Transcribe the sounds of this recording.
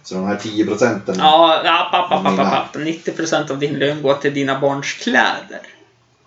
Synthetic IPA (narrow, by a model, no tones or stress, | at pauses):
sɔd̪ɛmhæʈʰiːəpɾʊsɛnt̪ɛɑːapʰːapːapːapːapːapːanɪt̪ːɪpʰɾʊsɛnt̪avd̪ɪnløːnɡoːʈʰɪld̪iːnabɑːɳʂkʰlɛ̰ːd̪ə̰ɾ